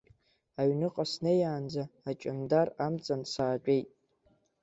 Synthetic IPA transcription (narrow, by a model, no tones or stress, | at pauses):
aɥnɨqʼasnejaːnd͡zaːt͡ʃʼɪndaramt͡sʼansaːt͡ʃʷʼejtʼ